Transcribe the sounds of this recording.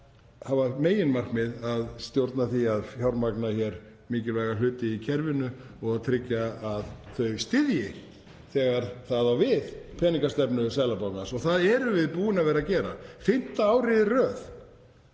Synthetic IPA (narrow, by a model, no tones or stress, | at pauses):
havameːjɪnmar̥kmɪðaðst̪jowɾt̪naθiaðçjawɾmaknaçɛɾ | miːcɪlvɛːɣal̥ʏːt̪ɪicʰɛɾvɪnʏ | ɔɣaðt̪ʰɾɪcːaaðθœɥst̪ɪðjɪ | θɛːɣaɾ̥θaðawvɪðpʰɛːniŋkast̪ɛpnʏsaːlapawknasɔɣθaðɛɾʏvɪðpuːɪnavɛɾacɛːɾa̰fɪn̥t̪aaːwɾɪðɪrœːð